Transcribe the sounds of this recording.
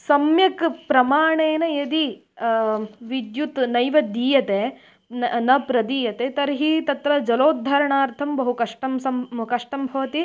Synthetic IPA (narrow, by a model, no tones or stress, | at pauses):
sɐmjɐkpɾɐmaːɳeːnɐjed̪i | ʋid̪jut̪nɐjʋɐd̪iːjɐt̪e | nnɐpɾɐd̪iːjɐt̪et̪ɐɾɦiːt̪ɐt̪ɾɐd͡ʒɐloːd̪ʱːɐɾɐɳaːɾt̪ʰɐmbɐɦukɐʂʈɐmsɐmkɐʂʈɐmbʱɐʋɐt̪i